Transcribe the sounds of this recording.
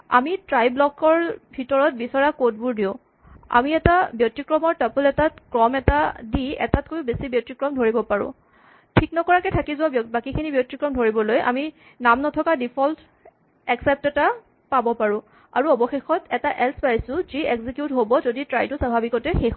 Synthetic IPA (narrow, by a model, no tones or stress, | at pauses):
a̰mitɹajblɔkɔɹbʱitɔɹɔt̚bisɔɹakot̚buɹdiʊ̃ | a̰miɛtabjɔtːikɹɔmɔɹtapulɛtatkɹɔmɛtadiɛ̰tatkojʊbesibjɔtikɹɔmdʱoɹibɔpaɹʊ̰̃ | tʰiknɔkɔɹakɛtʰakizʊabbakikʰinibjɔtːikɹɔmdʱoɹibɔlojʔa̰mi | namnɔtʰɔkadipʰɔlt | ɛksɛp̚tɛta | pabɔpaɹʊ̃ | aɹuɔbɔxexɔtɛtaʔɛlspaɹisʊ̃zieɡzikjutɦobɔzoditɹajtʊsabʱabikɔtɛxex